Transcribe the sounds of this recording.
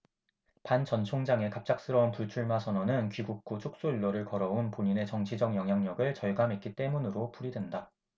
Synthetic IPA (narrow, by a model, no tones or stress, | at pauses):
pant͡ɕʌnt͡ɕʰoŋd͡ʑaŋe̞kap̚t͡ɕ͈ak̚s͈ɯɾʌunpuɭt͡ɕʰuɭmasʰʌnʌnɯnkɥiɡuk̚k͈ut͡ɕʰok̚s͈oiɭːʌɾɯɭkʌɾʌunpoɲine̞t͡ɕʌŋt͡ɕʰid͡ʑʌŋjʌŋɦjaŋɲʌɡɯɭt͡ɕʌɭɡamɦe̞t̚k͈it͈e̞munɯɾopuɾidwe̞nda